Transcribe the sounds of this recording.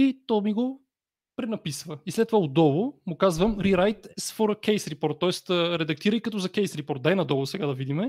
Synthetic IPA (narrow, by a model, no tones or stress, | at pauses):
it̪ɔmiɡo | pɾɛnɐpisvəislɛt̪ːovaʊd̪ɔlˠʊmʊkazvəmɾiɾajt̪sfɔɾkʲɛjsɾipɔɾt̪̚ːɔɛst̪əɾɛd̪ɐk̚t̪iɾəjkɐt̪ɔzɐkɛjsɾipɔɾt̪̚d̪ajnɐd̪ɔvˠʊsɛɡad̪ɐvid̪imɛ